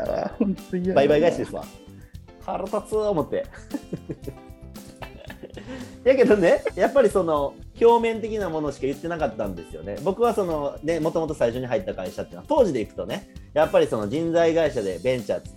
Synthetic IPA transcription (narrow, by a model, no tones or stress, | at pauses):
honbaibaiɡaiɕad̪esɨβa̰ | haɾot̪at͡sɨomo̞t̪ːe̞̰ | jake̞d̪o̞ne̞japːaɾʲiso̞no̞kʲo̞ːmẽ̞nt̪̬e̞kʲinamo̞no̞ɕi̥kajɯ̟t̪ːe̞nakat̪ːãnd̪e̞sɨjo̞̰ne̞̰bo̞kɯ̟βaso̞no̞ne̞mo̞t̪o̞mot̪o̞saiɕo̞ɲ̟iɦait̪ːakaiɕat̪ːeɯnoat̪o̞ːʑid̪e̞ikɯ̟̥t̪o̞ne̞japːaɾʲiso̞no̞d͡ʑĩnd͡zaiɡaiɕad̪e̞bẽ̞ɲt͡ɕa̰̥